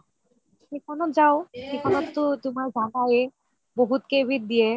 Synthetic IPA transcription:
kikʰɔnɔt̪zaokikʰɔnɔt̪ːot̪umaɹd͡ʒaɡaje | boɦut̪kebʱit̪̚d̪ije

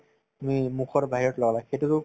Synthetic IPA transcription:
mimukʰɔɹbaɦiɹɔtlɔɡalaxejtutʊ

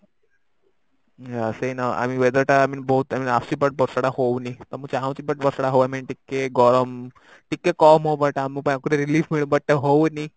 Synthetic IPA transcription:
əseinaa̰miʋed̪əɾʈaaminboɦut̪aminaft͡ɕiːbəʈ̚bɔɾsəɽahownit̪əməɡt͡ɕaɦãw̃t͡ɕiːbəʈ̚bəɾsaɽaɦoʋamiːnʈikːeɡɔɾəm | ʈikːekɔmɦobəʈaamipəɳakuʈeɾiliːfmiɭũbəʈ̚t̪eɦoni

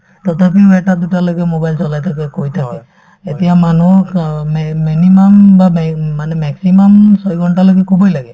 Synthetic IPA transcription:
tɔtʰapiwɛtadutalojɡɛmobajlsɔlajtʰakɛkojtʰakɛ | etijamanumminimɔmbamanɛmɛksimɔmsɔjɡʱɔntalojɡɛkʰubɔjlaɡɛ

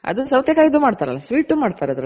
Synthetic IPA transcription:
ɐ̰d̪usɐwt̪jɐkaːɡid̪uːmaːɖt̪aːɾɐ̰lːasʋiːʈːumaːɖt̪aːɾeɐd̪ɾɐ

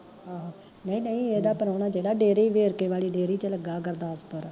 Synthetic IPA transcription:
ɦãː | nəĩːnəĩːeːd̪aːpəɾːnaːd͡ʒeːɽaːɖeːɾiiːʋeːɾkeːʋaːliːɖeːɾiːt͡ʃələɡaːkəɾd̪aːəspəɾ

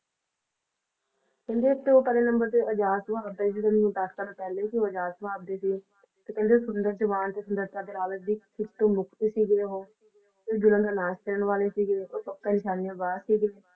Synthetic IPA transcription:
kɛ̃nd̪eːt̪ːõːpəɾeːnəmbəɾt̪eːəd͡ʒaːsəbʱaːbd̪eːs̬iːt̪ənũːd̪əskəɾpɛːleːkɪoːəd͡ʒaːsəbʱaːb̚d̪eːsiː | t̪eːkɛ̃nd̪esʊnd̪əɾd͡ʒəʋaːnt̪eːsənd̪əɾt̪aːd̪eːlaːləd̪iːkɪt̪ːõːmʊkʰt̪eːsiːɡeːɦoː | eːd͡ʒʊləməːnaːskəɾəɳʋaːleːsiːɡeeːoːsək̚k̪aːnɪʃaːnijãːbaːd̪siːɡeeː

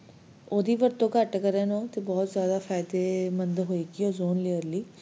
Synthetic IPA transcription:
oːd̪iːʋəɾt̪õːkəʈkəɾɛ̃ːnõːt̪eːbɔːt̪zjaːd̪aːpʰɛːɪd̪eːmənd̪ɦoːeːɡiːoːzoːnleəɾliː

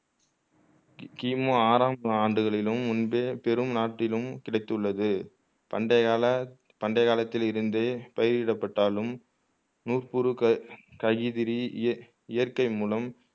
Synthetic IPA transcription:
kiːmoːaːɾaːmaːɳɖɯɣɐɭɪlɯmʊnbeːpɛɾɯmnaːʈːɪlɯmkɪɽɐɪt̪ːɯɭːɐðɯ | ɐɖɐ | pɐɳɖɐjɣaːlɐt̪ːɪlɪɾɯnd̪eːpɐjɪɾɪɽɐpːɐʈːaːlɯm | nuːrpɯɾɯkɐɣɪðɪɾi | ɪjɐɾkɐɪmuːlɐm

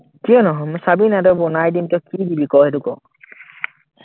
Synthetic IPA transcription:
kijɔnɔɦɔmɔjsabinadɔbɔnajdintɛɔkidibikɔɦetukɔ̰

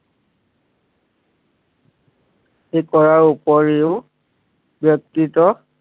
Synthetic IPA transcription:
ejkɔɹaɹupɔɹeʊ | bjɔk̚titɔ

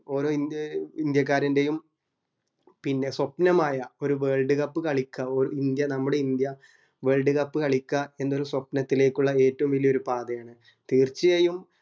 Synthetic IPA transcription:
o̞ːɾo̞ːinind̪jɐk̬ːaːɾɐnde̞jum | pinːe̞swɐpnɐmaːjɐo̞ɾuʋe̞ːɭɖɨɣɐpːɨkɐɭikʲːɐoɾuind̪jɐnɐmːuɽe̞ind̪jɐ | ʋe̞ːɭɖɨɣɐpːɨkɐɭikʲːɐe̞nːolɐswɐpnɐt̪ːile̞ːkːuɭːɐe̞ːtːɐʋumilːijo̞ɾupaːðɐjaːɳɨ | t̪iːrt͡ɕːijɐjum

